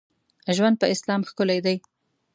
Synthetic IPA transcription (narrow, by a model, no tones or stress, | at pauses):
ʒwand̪̚pəɪslɑmxkʊlajd̪aj